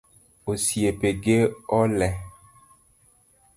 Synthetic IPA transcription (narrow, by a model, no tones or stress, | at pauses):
osiepeɡeɔlɛ